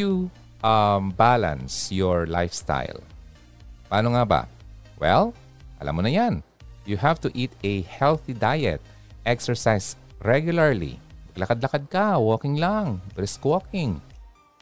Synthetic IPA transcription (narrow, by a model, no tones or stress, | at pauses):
u | ʔɐmbalã̰nsjɔɹla̰jfst̪a̰jl | paːnoŋaba̰wɛ̰l | ʔɐ̰lʔa̰mːonɐjan | juhavt̪ʊʔit̪ɛhɛlθid̪ajɛ̰t̪̚ | ʔɛksɛɹsajsɹɛɡjʊlaɹlḭmɐɡ̚lɐkad̪̚lɐkad̪̚kɐwoːkɪŋlaŋbɾɛskwokɪŋ